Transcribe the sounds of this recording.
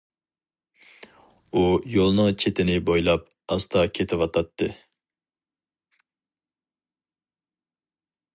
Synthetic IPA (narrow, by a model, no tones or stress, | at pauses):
ujolˠnɨŋt͡ʃʰet̪ʰɪnɪbojlˠɑp̚ | ɑst̪ʰɑkʲʰet̪ʰɪwɑt̪ʰɑt̪ʰːɨ